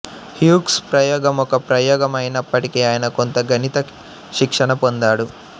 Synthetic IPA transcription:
hjuːkspɾɐjɔːɡɐmɔkɐpɾɐjɔːɡɐmɐjnɐpːɐʈikeːaːjɐnɐko̞nt̪ɐɡɐnit̪ɐ | ʃikʂɐɳɐpond̪aːɽu

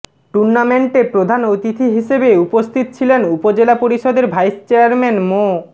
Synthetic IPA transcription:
ʈuɾnameɳʈepɾod̪ʱanot̪it̪ʰiɦiʃebeupost̪ʰit̪ot͡ɕʰilenupod͡ʑelapoɾiʃod̪eɾbʱajst͡ɕeaɾmenmo

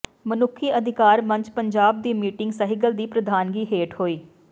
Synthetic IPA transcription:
mənʊkʰːiːʔəd̪ʱɪkaːɾmə̃ɲt͡ʃpəɲd͡ʒaːb̚d̪iːmiːʈɪŋɡsəɦɪɡəld̪iːpɾəd̪ʱaːnɡiːɦeːʈhoːiː

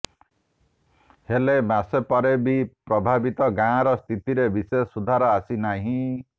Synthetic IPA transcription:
helemasepɔɾebipɾɔbʱabit̪ɔɡãːɾɔst̪ʰit̪iɾebisesud̪ʱaɾɔasinaɦĩ

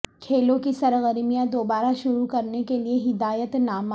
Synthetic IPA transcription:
kʰeːlõkisɐɾɣəɾmijãd̪oːbaːɾaʃʊɾukɐɾnekelieɦɪd̪aːjət̪naːma

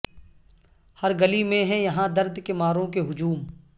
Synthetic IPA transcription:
hɐɾɡəlimẽɦɛ̃jɐɦãd̪ɐɾd̪kemaːɾõkeɦʊd͡ʒuːm

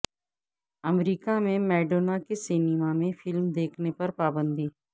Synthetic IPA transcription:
ɐmɾiːkamẽmɛːɖoːnakesɪnimamẽfɪlmd̪eːkʰnepɐɾpaːbə̃nd̪iː

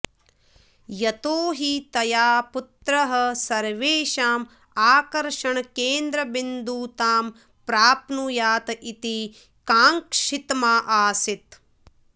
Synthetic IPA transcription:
jɐt̪oːɦit̪ɐjaːput̪ɾɐɦɐsɐɾʋeːʃaːm | aːkɐɾʃɐɳɐkeːnd̪ɾɐbind̪uːt̪aːm | pɾaːpnujaːt̪ʔit̪i | kaːŋkʂit̪maːʔaːsit̪

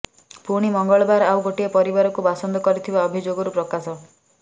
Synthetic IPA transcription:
puɽ̃imɔŋɡɔɭɔbaɾawɡoʈiepɔɾibaɾɔkubasɔnd̪ɔkɔɾit̪ʰibaɔbʱid͡ʒoɡɔɾupɾɔkasɔ

